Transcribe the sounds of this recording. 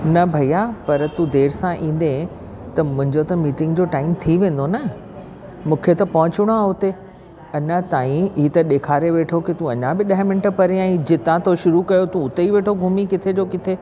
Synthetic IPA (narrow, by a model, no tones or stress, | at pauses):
nɐbʱɐijapɐɾt̪ũd̪eːɾsãʔĩːn̆d̪ẽ | t̪ɐmʊ̃ɦɪ̃ɲd͡ʑot̪ɐmiːʈɪ̃ŋɡd͡ʑoːʈaːɪmt̪ʰiʋẽːn̆d̪onɐ | mũːkʰet̪ɐpɐɦʊ̃t͡ɕʊɽ̃aʊt̪e | ɐɲãt̪aːĩiːt̪ɐɗeːkʰaːɾeʋeːʈʰokɪt̪ũɐɲãbɪɗɐɦmɪ̃nɪʈpɐɾiãĩd͡ʑɪt̪ãt̪ʰoʃʊɾukɐjot̪ũʊt̪eiʋeːʈʰoɡʱʊmikɪt̪ʰed͡ʑoːkɪt̪ʰe